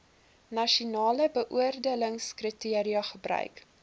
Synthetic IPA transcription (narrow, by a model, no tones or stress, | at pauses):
nɐʃunɑːləbəʔuərdiələŋskritiəɾiɐχəbrœ̰ɥk